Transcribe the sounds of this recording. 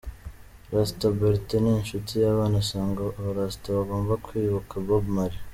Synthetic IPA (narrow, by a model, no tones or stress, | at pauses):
ɾastoboɾiteninʃutijaːβaːnasaːŋɡaβoɾastoβaɡo̞ːmbakʰwiːβakʰabobmaɾi